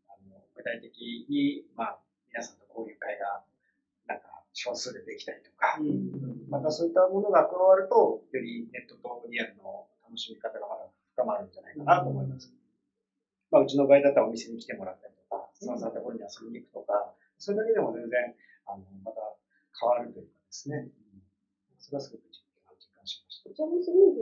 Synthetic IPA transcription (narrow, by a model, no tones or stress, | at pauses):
ano̞ɡɯ̟t̪ait̪e̞kʲiɲ̟imaː | mʲinasãnt̪o̞ko̞ːɾʲɯkaiɡa | nãŋkaɕo̞ːsɨːd̪et̪e̞ki̥t̪aɾʲi̥t̪o̞̥ka | mat̪aso̞ːit̪ːamo̞no̞ɡaːkɯ̟βaβaɾɯ̟t̪o̞jo̞ɾʲine̞t̪ːo̞t̪o̞ɾʲiaɾɯ̟no̞t̪ano̞ɕimʲikat̪aɡaɡa | ɸɯ̟̥kamaɾɯ̟̃ɲd͡ʑanaikanat̪o̞ːmo̞imasɨ̥ | maɯ̟t͡ɕino̞baid̪at̪ːaomʲise̞ɲ̟ikʲi̥t̪e̞mo̞ɾat̪ːaɾʲi̥t̪oka̰sãsat̪o̞ko̞ɾoɲ̟iasobʲiɲʲiːkɯ̟̥t̪o̞ka | maso̞ɾed̪ake̞d̪e̞mo̞zẽ̞nd͡zẽ̞ŋ | ano̞mat̪a | kʰaβaɾɯ̟t̪o̞jɯ̟kad̪e̞sɨne̞ | aso̞ɾe̞βasɨɡo̞kɯ̟d͡ʑikʲõhad͡ʑi̥kːãɰ̃ɕi̥maɕi̥t̪at͡ɕsɨɡo